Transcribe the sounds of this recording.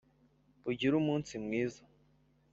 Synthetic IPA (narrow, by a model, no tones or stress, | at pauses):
buɟiɾumuːnsimŋiːza